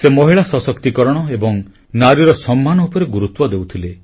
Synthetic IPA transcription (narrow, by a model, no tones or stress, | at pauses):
semɔɦiɭasɔsɔkt̪ikɔɾɔɽ̃ɔebɔŋ | naɾiɾɔsɔmːanɔupɔɾeɡuɾut̪wɔd̪ewt̪ʰile